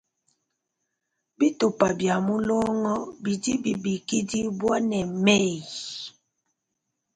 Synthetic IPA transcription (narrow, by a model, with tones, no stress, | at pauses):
bi˦tu˨pa˨bja˨mu˦lɔ˦ŋɔ˦bi˨di˦bi˨bi˨ki˦di˦bwa˦nɛ˨mɛ˦˨